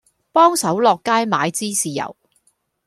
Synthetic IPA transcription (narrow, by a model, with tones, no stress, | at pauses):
pɔː˥ŋsɐ˨˥wlɔː˨kːaː˥jmaː˨˧jt͡siː˥siː˨jɐ̰˨˩w